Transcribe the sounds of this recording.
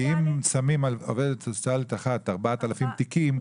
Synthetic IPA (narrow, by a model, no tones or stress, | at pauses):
imsamimao̰ved̪et̪taltaχataʁbatalafimt̪ikim